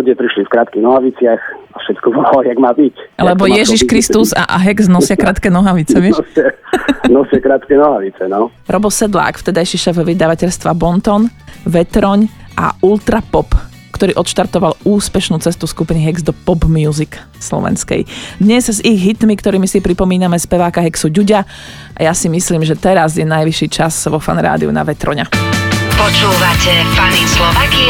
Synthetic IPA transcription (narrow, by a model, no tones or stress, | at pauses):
uɟɛpɾiʃlifkɾaːt̪kiɣnɔɦaʋit͡sɪaxafʃɛt̪kɔbɔjaɡmaːbiclɛbɔjɛʒiʃkɾist̪uza̰ʔɦɛɡznɔsɪakɾaːt̪kɛnɔɦaʋit͡sɛʋɔsanɔsɪakɾaːt̪kɛnɔɦaʋit͡sɛnɔ | ɾɔbɔsɛd̪la̰ːkft̪ɛd̪ajʃiʃɛvʋid̪aʋacɛʎst̪ʋabɔnt̪ɔnʋɛt̪ɾɔɲʔa̰ult̪ɾapɔp | kt̪ɔɾiːʔɔt̪ʃt̪aɾt̪ɔʋaluːspɛʃnuːt͡sɛst̪uskupiniɦɛɡzd̪ɔpɔbmjuzik | slɔ̰ʋɛ̰nskɛ̰jd̪ɲɛzziɣɦit̪mikt̪ɔɾiːmisipɾipɔmiːnamɛspɛʋaːkaɦɛksuɟuɟa | ʔajasimisliːmʒɛt̪ɛɾazjɛnajʋiʃiːt͡ʃazʋɔfa̰nɾa̰ːd̪ḭṵna̰ʋɛt̪ɾɔ̰ɲapɔt͡ʃuːʋacɛvanislɔʋaki